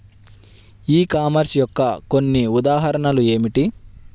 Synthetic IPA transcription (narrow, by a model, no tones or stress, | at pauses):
iːkaːmɐɾsjɔkːɐko̞nːiud̪aːɦɐɾɐɳɐlue̞ːmiʈi